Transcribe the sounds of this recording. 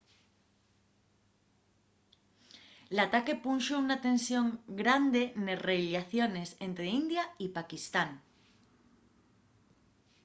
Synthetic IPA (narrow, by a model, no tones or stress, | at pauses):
lat̪ake̞punʃounat̪ẽ̞nsjõ̞ŋɡɾand̪e̞nereiljaθjone̞se̞nt̪ɾeind̪jaipakist̪aŋ